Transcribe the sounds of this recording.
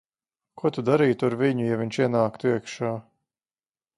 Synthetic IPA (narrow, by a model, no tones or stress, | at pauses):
kuɔt̪ud̪aɾiːt̪aɾviɲujavʲiɲʲt͡ʃiɛnaːkt̪uiɛkʃaː